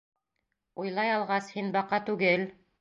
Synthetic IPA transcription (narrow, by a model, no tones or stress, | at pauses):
ujlˠɑjɑlˠʁɑshinbɑqːɑt̪ʉɡɘl